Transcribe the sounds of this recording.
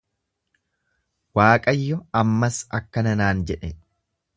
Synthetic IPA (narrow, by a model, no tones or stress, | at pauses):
waːkʼɐjːɔɐmːɐsɐkːɐnɐnaːnd͡ʒɛᶑɛ